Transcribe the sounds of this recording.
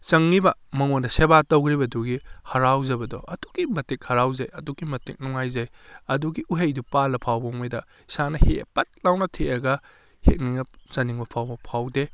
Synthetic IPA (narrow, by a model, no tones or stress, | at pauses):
t͡ʃɐŋːibɐmɐŋondɐsebatowɡɾibɐduɡihɐɾawzɐbɐdɔ̰ɐdu̥ɡimɐtik̚hɐɾawzajɐduɡimɐtik̚nuŋajzajɐduɡiʔuɦejdupalɐpʰawbɐŋmɐjdɐ | sanɐhepɐt̚lawnɐtʰeɐɡɐ | hḛk̚niŋnɐsɐniŋbɐpʰawbɐpʰawde